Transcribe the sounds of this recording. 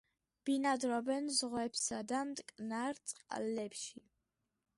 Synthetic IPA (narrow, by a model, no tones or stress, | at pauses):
b̥inad̪ɾɔbɛnzʁwɛpsad̪amt̪ʼkʼnaɾt̪sʼqʼa̰lːɛpʃi